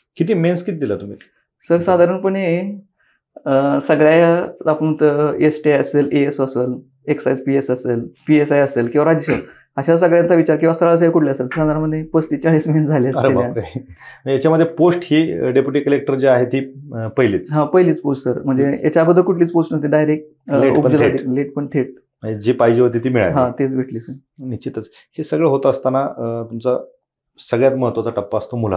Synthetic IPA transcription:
kit̪iːmenskit̪̚d̪ilat̪um̤ḭː | səɾsad̪ʱaɾəɳpəɳi | səɡɭjajaapəɳt̪əesʈiaəseleesəsəl | eksajspiesəseːlpiesajəselkĩw̃ʋaɾad͡ʑəɕə | əɕas̬əɡɭjãnt͡saʋit͡ɕaɾkĩw̃ʋasəɾaɭs̬əikuʈʰljaəselsad̪ʱaɾənməd̪ʱːjepəsʈ̪iːt͡ɕaɭiːsmiind͡zʱaliːəsəɾeelja | əjat͡ɕjaməd̪ʱːjeposʈhiːɖepjuʈikəlek̚ʈəɾd͡ʑeaɦet̪iːpəɦjliːt͡sɦãpəɦliːt͡sposʈsəɾm̤əɳd͡zeja̰t͡ɕjabəd̪ʱːəkuʈʰliːt͡sposʈnəst̪id̪ajɾek̚ | leupəd͡ʑəlʰaed̪ileʈ̚pəɳt̪ʰeʈ̚ | ed͡ʑiːpajd͡ʑeʋət̪it̪iːmiɭajɦãt̪et͡sbʱeʈliːsə | nit͡ɕit̪ət͡s | hesəɡɭəɦot̪aəst̪anat̪umt͡sa | səɡɭjat̪məɦət̪ʋət͡saʈəpːaəst̪omula̰

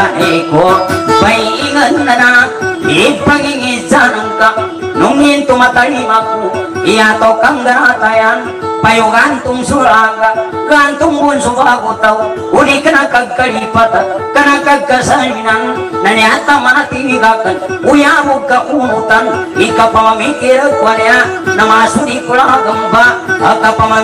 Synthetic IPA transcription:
anekopaiiŋənːanaipaŋiŋizanəŋkaʔ | nuŋint̪umat̪alimaku | iat̪awkaŋɡanat̪ajan | pajuɡant̪uŋsuɾaaŋɡa | ɡant̪uŋbunsukakut̪aw | unikənakaɡkalipat̪akənakaɡasaninan | naniat̪amanat̪imiɡakənujabuɡakumut̪anikapamamikiɾkuaneanəmasunikulakəmbaəkapama

